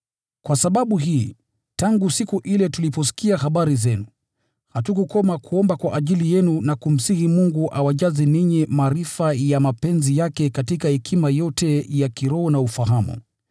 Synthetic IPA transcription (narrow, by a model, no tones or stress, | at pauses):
kwasaɓaɓuɦiː | taŋɡusikuʔilɛtulipɔs̬i̥kiahaɓaɾizɛnu | hatukukɔmakʰuɔmbakwaʔaʄilijɛnunakum̩sihimuŋɡuʔawaʄaziniɲimaːɾifajamapɛnzijakɛkatikahɛkʰimajɔtɛjakiɾɔɔnaufaɦamṵ